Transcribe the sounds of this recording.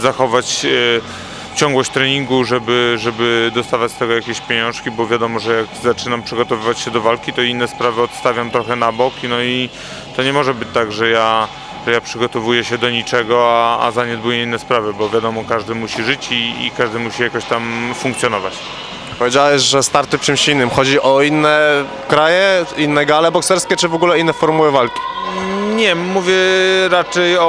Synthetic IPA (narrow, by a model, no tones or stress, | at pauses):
zaxɔvat͡ɕ | t͡ɕɔ̃ŋɡwɔɕt͡ɕʲt̪ɾɛɲiŋɡuʐɛbɘʐɛbɘd̪ɔst̪avat͡ɕst̪ɛɡɔjakʲeɕpʲjeɲɔ̃w̃ʂkʲibɔvʲjad̪ɔmɔʐɛjakzat͡ʂɘnampʂɘɡɔt̪ɔvɘvat͡ɕɕɛd̪ɔvalkʲit̪ɔinːɛspɾavɘɔt̪st̪avʲjamt̪ɾɔxɛnabɔknɔi | t̪ɔɲɛmɔʐɛbɘt͡ɕt̪aɡʐɛja | ʐɛjapʂɘɡɔt̪ɔvujɛɕɛd̪ɔɲit͡ʂɛɡɔaa̰zaɲɛd̪bujɛinːɛspɾavɘbɔvʲjad̪ɔmɔkaʐd̪ɘmuɕiʐɘt͡ɕḭːkaʐd̪ɘmuɕijakɔɕt̪amfuŋkt̪sʲjɔnɔvat͡ɕ | pɔvʲjed͡ʑawɛɕʐɛst̪aɾt̪ɘft͡ʂɘmɕinːɘmxɔd͡ʑiʔɔinːɛ | kɾajɛinːɛɡalɛbɔksɛɾskʲɛt͡ʂɘvɔɡulɛinːɛfɔɾmuwɘvalkʲi̥ɲɛmːuvʲjɛɾat͡ʂɛjɔ